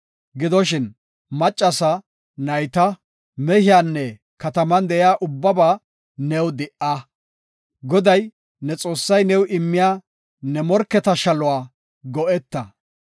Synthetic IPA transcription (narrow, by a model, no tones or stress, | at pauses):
ɡɪd̪ɔʃɪn | mɐt͡ʃʼːɐsɐ | nɐjt̪ɐ | mɛhɪjaːnːɛ | kɐt̪ɐmɐnd̪ɛjaːʔʊbːɐbaː | nɛwd̪ɪʔa | ɡɔd̪ɐj | nɛt͡sʼo̞ːsːɐjnɛwʔɪmːɪjaː | nɛmɔɾkːɛt̪ɐʃɐlʊwaː | ɡɔʔɛt̪ːɐ